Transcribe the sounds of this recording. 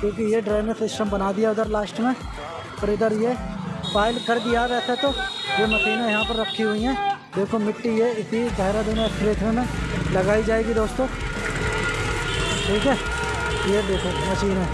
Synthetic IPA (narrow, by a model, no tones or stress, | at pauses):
kjõːk̬ijeɖɾaːmẽsɪsʈəmbɐnaːd̪ɪjaʊd̪əɾlaːʃʈmẽ | pɔɾɪd̪əɾjepaːɪlkɐɾd̪ɪjaʋɛːset̪oːjeːmɐsiːnãjɐɦãpəɾːɐkʰːiɦʊiɦɛ̃ː | d̪eːkʰomɪʈːijeɪt̪izaːɪɾad̪ɪnːpɾeːt̪ʰnẽmẽlɐɡaːid͡ʒaːeːɡid̪oːst̪õː | ʈʰiːkɛː | jed̪eːkʰomɐsiːnɦɛ̃ː